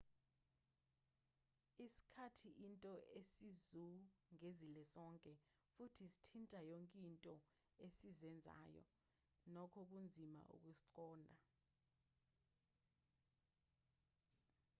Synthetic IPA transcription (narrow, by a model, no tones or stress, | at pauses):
isi̥kʰatʰiʔintʼɔesizuŋezilɛzɔŋkʼɛ | futʰisi̥tʰintʼajoŋkʼintʼɔ | esizɛnd͡zʱa̰ːjɔ̰ | nɔkʰɔk̬und͡zʱima̰ʔṵk̬ʼusiǀɔːnʱa